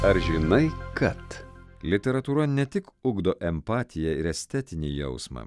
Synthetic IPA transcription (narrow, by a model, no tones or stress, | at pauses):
ɐɾʒʲɪnɐɪkɐt̪lʲɪt̪ʲɛɾɐt̪uːɾɐnʲɛt̪ʲɪkʊɡd̪oːʔɛmpɑːt̪ʲɪjɛɪɾɛsʲt̪ʲɛt̪ʲɪnʲḭːjɛʊsmɐ̰ː